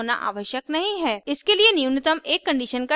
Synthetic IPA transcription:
ona̰ʔa̰ːʋəʃjək̚nɐɦĩɦɛːɪskelienijunɪt̪əmeːkːɐ̃ɳɖiːʃənka

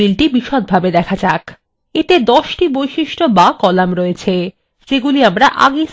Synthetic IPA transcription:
ilʈibiʃod̪̚bʱabed̪ɛkʰat͡ɕak | et̪ed̪ɔʃʈibojʃiʃʈobakɔlamɾɔet͡ɕʰe | d͡ʑeɡuliamɾaʔa̰ɡe

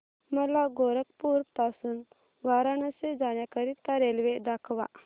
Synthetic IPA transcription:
məlaɡoɾəkpuɾpt̪asuːn | ʋaɾanased͡zaɳjakəɾit̪ːaɾelʋed̪akʰʋa̰

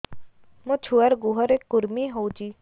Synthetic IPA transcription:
mõt͡ʃʰuəɾɡuɦəɾekːʊɾmiɦoud͡ʒiː

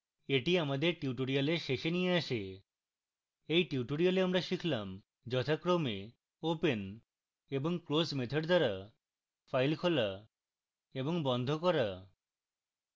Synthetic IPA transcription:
eʈiamad̪eɾʈuʈoɾialeɾʃeʃenijeaʃe | ejʈiʈoɾialeamɾaʃikʰlam | d͡ʑɔt̪ʰakɾome | open | eboŋkɾosmet̪ʰoɖd̪aɾa | fʰajlkʰola | eboŋbɔnd̪ʱokɔɾa

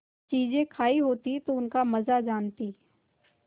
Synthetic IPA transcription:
t͡ʃiːzẽkʰaːiɦoːt̪it̪oʊnkamɐzad͡ʒaːnt̪iː

